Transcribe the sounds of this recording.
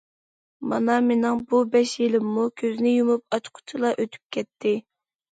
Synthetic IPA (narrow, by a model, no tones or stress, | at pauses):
mɑ̰nɑmenɪŋbubɛʃjilɪmːukʲʰøznɪjumup̚ɑt͡ʃqʰʊ̥t͡ʃʰilˠɑʔøt̪ʰy̥p̚kʲʰɛt̪ʰːɪ